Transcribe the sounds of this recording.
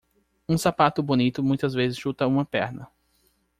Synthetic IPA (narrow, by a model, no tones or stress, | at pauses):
ũsapat̪ʊbonit̪ʊmũj̃t̪ɐzvezɪsʃut̪ɐũmɐpɛ̰ɾnɐ